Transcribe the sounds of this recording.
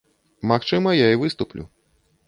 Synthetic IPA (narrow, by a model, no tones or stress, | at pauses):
maxt͡ʂɨmɐjaivɨst̪uplʲṵ